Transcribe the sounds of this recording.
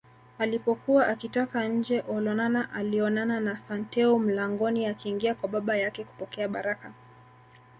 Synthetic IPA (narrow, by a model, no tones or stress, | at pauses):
alipɔkuwaʔakitakaɲ̩d͡ʒɛʔɔlɔnanaʔaliɔnananasantɛum̩laŋɡɔniakiːŋɡiakwaɓaɓajakɛku̥pɔkɛaɓaɾaka